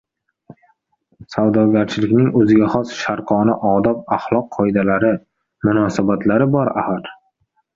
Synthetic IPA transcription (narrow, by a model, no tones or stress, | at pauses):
sawd̪ɒɡʲaɾt͡ʃʰɪlɪkʲnɪŋɵzɪɡʲaχɒsʃaɾqʰɒnɪʔɒd̪ɒp̚aχlˠɒqʰːɒjd̪alaɾɪ | mʊnɒsabat̪ʰlaɾɪbɒɾa̰haɾ